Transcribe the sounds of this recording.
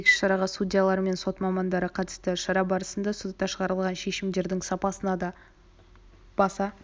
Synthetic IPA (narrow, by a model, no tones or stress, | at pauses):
ekʲɪ̥ʃʃɑɾɑʁɑsudʲijalˠɑɾəme̞nso̞t̪mɑmɑnd̪ɑɾəqʰɑt̪ə̥st̪ɪʃɑɾɑbɑɾəsənd̪ɑsut̪ːɑʃəʁɑɾəlˠʁɑnʃe̞ʃɪmd̪e̞ɾd̪ɪŋsɑpɑsənɑd̪ɑ | b̥ɑsɑ